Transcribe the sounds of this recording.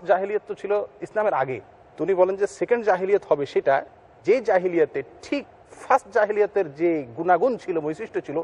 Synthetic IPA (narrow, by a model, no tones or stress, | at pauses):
d͡ʑaɦilijot̪ːot͡ɕʰiloislameɾa̰ɡḛ | t̪unibɔlend͡ʑesekeɳɖd͡ʑaɦilijot̪hɔbeʃeʈa | d͡ʑed͡ʑaɦilijot̪eʈʰik̚ | fʰasʈd͡ʑaɦilijot̪eɾd͡ʑeɡunaɡunt͡ɕʰilomojsɾiʃʈot͡ɕʰilo